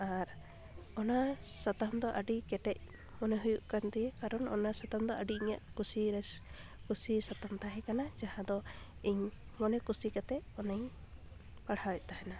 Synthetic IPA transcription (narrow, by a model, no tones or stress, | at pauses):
aɾ | ɔnasat̪amd̪ɔʔaɖikɛʈɛc̚ | mɔnɛɦujuʔkand̪ijeaɾɔnɔ̰nasat̪amd̪ɔʔaɖiɲa̰ʔkusiɾɛskusisat̪amt̪aɦɛkanad͡ʒahãd̪ɔ | iɲ | mɔnɛkusikat̪ɛɔnɛɲ | paɽ̤hawɛc̚t̪aɦɛna